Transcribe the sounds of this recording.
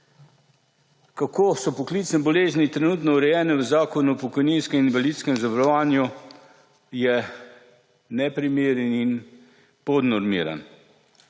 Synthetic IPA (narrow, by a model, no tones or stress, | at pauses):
kakoːsɔpɔkliːt̪snɛbɔleːznit̪ɾɛnuːt̪nɔuɾɛjɛːnɛʋəzaːkɔnupɔkɔjninskɛminʋaliːt̪skɛmzabaɾɔʋaːnju | jɛ | nɛpɾimeːɾɛnin | pɔd̪nɔɾmḭːɾa̰n